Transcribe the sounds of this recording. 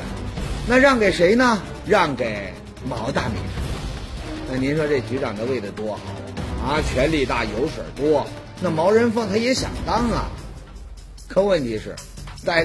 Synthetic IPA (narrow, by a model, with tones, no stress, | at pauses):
na˥˧ɻɑ˥˩ŋke˨˩ɪʂe˧˥ɪnə˧ | ɻɑ˥˩ŋke˨˩ɪ | mɑ˧˥ʊt̪a̰˥˩mḭ˨˧˥ʈ͡ʂ̩ʰ˧˥˧na˥˩ni˧˥nʂwɔ˥ʈ͡ʂe˥˩t͡ɕy˧˥ʈ͡ʂɑ̰˨˩ŋd̪ə˦we˥˩ɪlə˩t̪wɔ˥xɑ̰˨˩ɐ˧t͡ɕʰɥɛ˧˥nli˥˧t̪a˥˩jo˧˥ʊʂwə̰˨˩t̪wɔ˥ | na˥˩mɑ˧˥ʊɻə˧˥nfɤ˥˩ŋt̪ʰa˥jɛ˧˥ɕjɑ̰˨˩ŋt̪ɑ˥ŋlə̰˨ | kʰɤ˥˧wə˥˩nt̪ʰi˧˥ʂɻ̩˥˩ | t͡sa˥˩ɪ